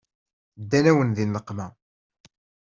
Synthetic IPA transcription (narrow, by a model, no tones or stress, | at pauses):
d̪ːænæwənðinːəqːmæ